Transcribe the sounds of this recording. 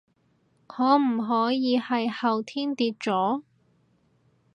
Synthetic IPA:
ŋʰɔː˨˧m̩˨˩ɦɔː˨˥jiː˨˧hɐ˨jhɐ˨wt̪ʰiː˥nt̪iː˧t̚t͡sɔː˨˥

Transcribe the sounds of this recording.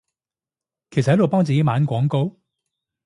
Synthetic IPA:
kʰe˨˩s̚hɐ˨˥lo˨˩pɔː˥ŋt͡siː˨ke˨˥jmaː˨˥nkʷɔː˨˥ŋko˧˥w

